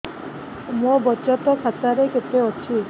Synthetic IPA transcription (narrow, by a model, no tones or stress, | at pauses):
mũbɔt͡ʃɔt̪ɔkʰat̪aɾeket̪eɔt͡ʃʰi